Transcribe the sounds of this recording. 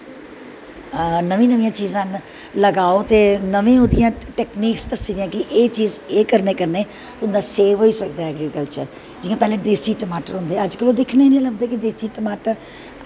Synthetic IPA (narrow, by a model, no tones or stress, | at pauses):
nəʋĩːnəʋĩjãːt͡ʃiːzãːn | ləɡaːoːt̪eːnəʋẽːʊd̪ɪjãːʈɛːkniːkst̪əsiːd̪ijãːkɪʔeːt͡ʃiːzeːkəɾneːkəɾneː | t̪ʊnd̪aːseːʋɦoːiːsəkd̪aːɛɡɾikəlt͡ʃə̰ɾ | d͡ʒɪːãːpɛːleːd̪eːsiːʈəmaːʈəɾɦʊ̃nd̪eːəd͡ʒkəlõːd̪ɪkʰneːnĩːləɡ̚d̪eːkɪd̪eːsiːʈəmaːʈəɾ